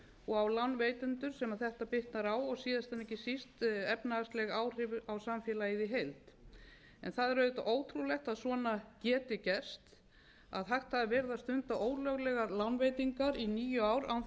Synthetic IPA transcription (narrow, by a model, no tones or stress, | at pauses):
ɔɣawlanːvejt̪ʏnt̪ʏɾ̥sɛmaðθɛht̪apɪht̪naɾaːwɔɣsiːðast̪ʰanːɛhcɪsist̪ɛpnaast̪lɛɣaːwr̥ɪvʏawsamfjɛːlaiðɪɦejlt̪ | ɛnθaðɛɾœːðɪt̪aʔoːwt̪ʰɾulɛxt̪aðsvɔːnacɛːt̪ɪcɛr̥st̪ | a̰ðɦaxt̪haðɾvɛɾðaðst̪ʏnt̪aʔoːwɾlœɣlɛɣalanveːjt̪iŋkaɾiniːjʏaːwɾa̰w